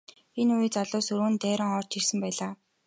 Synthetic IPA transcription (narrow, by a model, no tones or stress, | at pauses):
enujiːt͡saɮʊːsɵɾ̆ɘ̆nt̪æːɾə̆ŋɔːr̥t͡ɕirsɘ̆mpæːɮaː